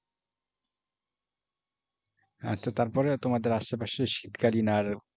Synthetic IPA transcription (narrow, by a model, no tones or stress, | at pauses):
a̰t͡ɕʰat̪aɾpɔɾet̪omad̪eɾaʃepaʃeʃit̪kalinaɾ